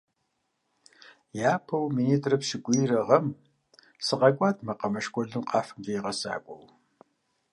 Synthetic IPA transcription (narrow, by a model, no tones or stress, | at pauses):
jaːpʰɐwmiːniːtʰʼrɐpʃɪɡʷʼijɾɐʁɐm | sɨqɐkʷʼaːtʰmɐqɐmɐʃkʷʼɔɮɨmqɑːfɨmeːʁɐsa̰ːkʷʼɔ̰w